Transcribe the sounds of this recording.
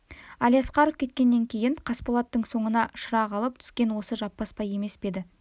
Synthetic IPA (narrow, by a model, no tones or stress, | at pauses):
ɑlijɑsqɑɾo̞vkʲet̪̚kʲe̞nːe̞ŋkʲʰe̞jɪɴqʰɑspolˠɑt̪ːəɴso̞ɴənɑʃəɾɑʁɑlˠəp̚t̪ʰʏ̥skʲe̞nwo̞səʒɑpːɑspɑje̞me̞sbe̞d̪ɪ